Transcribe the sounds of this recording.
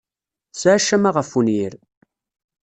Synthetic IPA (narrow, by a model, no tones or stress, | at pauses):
sʕaʃæmaʁəfːunjiɾ